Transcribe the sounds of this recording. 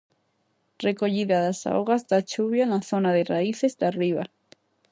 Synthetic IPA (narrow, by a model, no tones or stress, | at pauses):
rekoʎiðaðasa̰oɣazd̪at͡ʃuβjanaθonaðeraiθezd̪ariβa